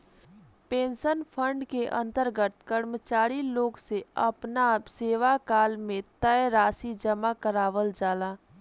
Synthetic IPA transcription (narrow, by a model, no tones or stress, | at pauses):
pẽːnʃənpʰə̃ɳɖkeʔə̰̃nt̪əɾɡət̪̚kəɾmət͡ʃaːɾiloːɡseɐpnaseːʋakaːlmẽt̪əjɾaːsid͡ʒəmakəɾaːʋəld͡ʒaːlaː